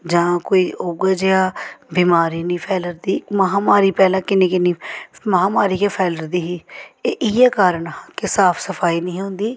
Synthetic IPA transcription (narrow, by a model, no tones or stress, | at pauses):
d͡ʒãːkoːiːʔoːɡaːd͡ʒeaːbiːmaːɾiːnĩːpʰɛːləɾd̪iːməɦãːmaːɾiːpɛːlãːkɪneːkɪnĩːməɦãːmaːɾiːkeːpʰɛːləɾd̪iːɦiːeːʔɪːɛːkaːɾəɳɦãkɪsaːpʰsəpʰaːiːnəĩːɦʊ̃nd̪iː